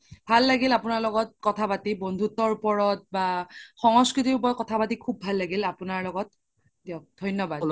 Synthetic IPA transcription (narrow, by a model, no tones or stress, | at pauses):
bʱalːaɡilapunaɹlɔɡɔt̚kɔtʰapatibondʱutɔɹupɔɹɔt̚baxɔŋɔskɹitiupɔɹɔkɔtʰapatikʰubːʱalːaɡilapunaɹlɔɡɔt̚ | tɛɔk̚dʱɔjnːɔbad